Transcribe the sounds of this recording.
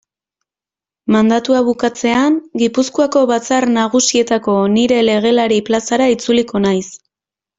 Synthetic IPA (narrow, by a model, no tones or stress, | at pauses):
mand̪at̪uaβ̞ukat͡se̞anɡipuskuako̞βat͡sarnaɣ̞usie̞t̪ako̞niɾe̞le̞ɣ̞e̞laɾiplasaɾait͡suliko̞najs